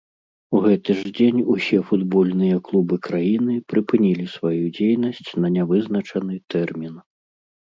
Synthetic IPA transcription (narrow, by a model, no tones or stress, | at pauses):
uɣɛt̪ɨʐd͡zʲenʲusʲɛfud̪bɔlʲnɨjɐklˠubɨkɾajinɨpɾɨpɨnʲilʲisvajud͡zʲejnɐsʲt͡sʲnɐnʲavɨznɐt͡ʂɐnɨt̪ɛrmʲin